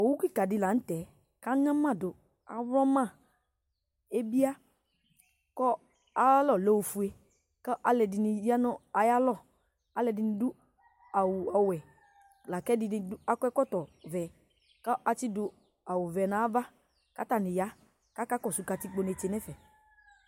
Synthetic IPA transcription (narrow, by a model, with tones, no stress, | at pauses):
o˨wu˦ki˦˨ka˨dɪ˧˨la˨n̩˦tɛ˨ | ka˦ŋã˦mã˦˨dʊ˨ | a̰˨˦wɔ˦mã˦˨ | e˦bi˦a˦ | kɔ˦ | a˦a˦lɔ˦˨lɛ˨wo˨fu˨e˦ | ka˦ʔa˨lɛ˨dɪ˧ni˧ja˦nɔ˦a˨ja˦lɔ˦˨ | a˨lɛ˨dɪ˨nɪ̃˨˦dʊ˦ | a˨wu˨a˨wɛ˨ | la˨kɛ˦dɪ˧nɪ̃˦dʊ˦a˦kɛ˦kɔ˦tɔ˨vɛː˨ | ka˦ʔa˦t͡ʃi˦dʊ˨ | a˨wʊ˨vɛ˨na˨˦va˦ | ka˦ta˦˨nɪ̃˨ja˦ | ka˦ka˦kɔ˦˨su˨ka˨ti˦k͡po˦ne˨t͡ʃe˨nɛ˦fɛ˨